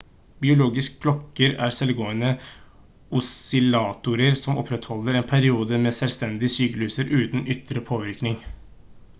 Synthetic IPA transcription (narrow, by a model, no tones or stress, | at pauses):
bɪʊloːɡɪskpʰlɔkːəɾæːɾsɛlɡoːənə | ʊsɪlɑːt̪ʊɾəɾsɔmɔ̰pʰɾɛt̪hɔlːəɾeːnpʰæɾɪuːd̪əmeːsɛlst̪ɛnd̪ɪəsyːkəlʉːsəɾʔʉːt̪n̩ʏt̪ɾəpʰoːʋɪɾknɪŋ